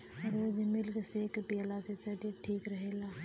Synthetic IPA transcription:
ɾoːd͡ʒmɪlkseːkpialasesɐʈiʈʰiːkɾəɦeːlaː

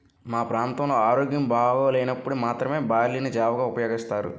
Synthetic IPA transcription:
maːpɾaːnt̪ɐmlo̞ːaːɾoːɡjɐmbʱaːɡoːleːjnɐpːuɽumaːt̪ɾɐme̞ːbaːɾlinid͡ʒaːʋɐɡaːupɐjoːɡist̪aːɾṵ

